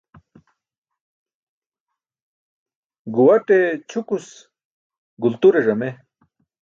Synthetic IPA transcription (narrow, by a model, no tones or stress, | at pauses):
ɡuwɐʈet͡ɕʰukus | ɡult̪uɾeʐɐme